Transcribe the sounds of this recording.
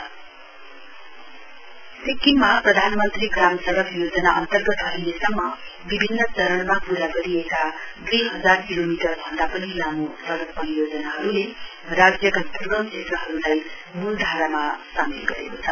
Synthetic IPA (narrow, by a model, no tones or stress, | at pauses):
sikːinmaɦprʌd̪ʱanmʌnt̪riɡramsʌɾʌkjod͡zʌnaʔʌ̰nt̪ʌrɡʌt̪ɦʌɾilesʌmːʌbibʱinːʌt͡sʌɾʌnmapuɾaɡʌɾieka | d̪ujɦʌd͡zarkilomiʈʌrbʱʌnd̪apʌnilamusʌɾʌk̚pʌnijod͡zʌnaɦʌɾule | rad͡zjʌkap̪urɡʌmset̪rʌɦʌɾulaj | muld̪ʱaɾamasamḭlɡʌ̰ɾḛkot͡sʰʌ